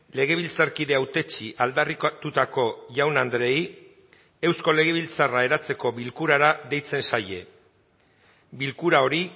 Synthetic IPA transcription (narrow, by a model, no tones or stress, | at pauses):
le̞ɣ̞e̞β̞ilt͡saɾkiðe̞awt̪e̞t͡ʃiʔald̪arikt̪ut̪ako̞ʝawnand̪ɾe̞i | e̞wsko̞le̞ɣ̞e̞β̞ilt͡sarae̞ɾat͡se̞ko̞βilkuɾaɾaðe̞jt͡se̞nsaje̞ | bilkuɾao̞ɾi